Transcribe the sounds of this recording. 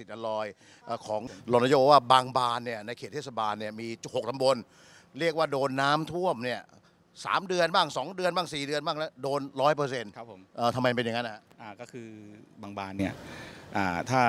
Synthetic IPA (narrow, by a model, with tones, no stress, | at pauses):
si˨˩t̪̚ʔa˧lɔː˧j | ʔəː˨˩kʰɔː˩˦ŋlo˧na˧joː˧waː˥˩baː˧ŋbaː˧nːi˥˩ɐna˧jkʰeː˨˩t̪ʰːeː˥˩s̬a˧baː˧nːi˥˩ɐmiː˧t͡ɕ̚ho˨˩k̚t̪ʰa˧mbo˧n | ɾi˥˩ək̚waː˥˩doː˧nːaː˦˥mt̪ʰu˥˩əmni˥˩ə | sa̰ː˩˦mdɯ˧ənbaː˥˩ŋsɔː˩˦ŋdɯ˧ənbaː˥˩ŋsiː˨˩dɯ˧ənbaː˥˩ŋnɛ˦˥doː˧nɾɔː˦˥jp̬ɤː˧se˧nʰ˦pʰʔəː˨˩t̪ʰmːa˧jpe˧nja˨ŋːa˦˥nːa˧ha˦˥ʔʔaː˧˩kɔː˥˩kʰɯː˧baː˧ŋbaː˧nːi˥˩ɐʔaː˨˩t̪ʰaː˥˩